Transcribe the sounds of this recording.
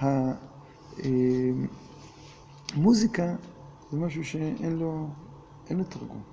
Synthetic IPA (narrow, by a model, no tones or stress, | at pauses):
ha | e | muzika | zemaʃuʃeʔenlo | ʔenlot̪aʁɡṵm